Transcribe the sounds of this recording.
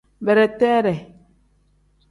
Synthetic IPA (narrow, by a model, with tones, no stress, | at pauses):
bɛ˨ɾɛ˨tɛ˦ɾɛ˨